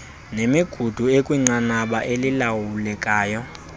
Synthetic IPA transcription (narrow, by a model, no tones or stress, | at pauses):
nemiɡ̥ʱud̥ʱuekʼwiŋ͡ǀanaɓaʔelilawulɛkʼaːjɔ